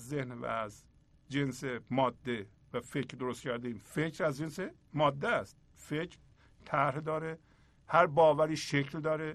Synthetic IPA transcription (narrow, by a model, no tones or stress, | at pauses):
zːehnvæ̰æz | d͡ʒe̞nsemɒːd̪ːe̞ | væfe̞cʰɾd̪oɾost̪kcʰæɾd̪iiːmfecʰɾæzd͡ʒensemɒːd̪ːeæst̪̚ | fecʰɾ | t̪ʰæɾhd̪ɒːɾe | hæɾbɒːvæɾiːʃecʰld̪ɒːɾe